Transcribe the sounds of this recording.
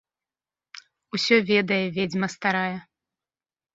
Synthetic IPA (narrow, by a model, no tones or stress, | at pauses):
usʲɔvʲɛd̪ɐjɛvʲed͡zʲmɐst̪aɾajɛ